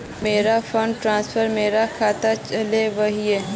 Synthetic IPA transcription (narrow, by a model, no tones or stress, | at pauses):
meːɾafʰə̃ɳɖʈɾãːnsfʰəɾmeːɾakʰaːt̪at͡ʃɐleʋɐɦieː